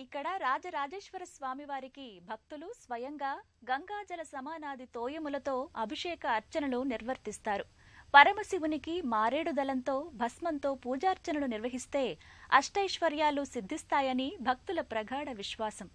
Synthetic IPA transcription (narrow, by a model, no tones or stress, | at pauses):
ikːɐɽɐɾaːd͡ʒɐɾaːd͡ʒeːʂʋɐɾɐsʋaːmiʋaːɾikibʱɐk̚t̪ulusʋɐjɐŋɡaː | ɡɐŋɡaːd͡ʒɐlɐsɐmaːnaːd̪it̪oːjɐmulɐt̪o̞ːɐbʱiʂɛːkɐːɾt͡ʃɐnɐluniɾʋɐɾt̪ist̪aːɾu | pɐɾɐmɐsiʋunikimaːɾeːɽud̪ɐlɐnt̪o̞ːbʱɐsmɐnt̪o̞ːpuːd͡ʒaːɾt͡ʃɐnɐluniɾʋɐɦist̪e̞ːɐ̰ʂʈɐjʂʋɐɾjaːlːusid̪ʱːist̪aːjɐnibʱɐk̚t̪ulɐpɾɐɡʱaːɽɐʋiʃʋaːsɐm